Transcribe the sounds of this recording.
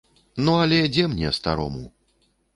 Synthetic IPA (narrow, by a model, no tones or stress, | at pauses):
nuɐlʲɛd͡zʲɛmnʲɛst̪a̰ɾɔ̰mṵ